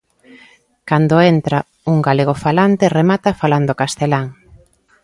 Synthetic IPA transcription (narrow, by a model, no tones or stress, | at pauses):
kand̪oent̪ɾa | uŋɡaleɣ̞ofalant̪eremat̪afaland̪okast̪elaŋ